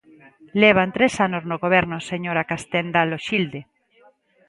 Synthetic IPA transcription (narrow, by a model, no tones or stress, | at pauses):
leβ̞ant̪ɾesanoznoɣoβ̞eɾnoseɲoɾakast̪end̪aloʃild̪e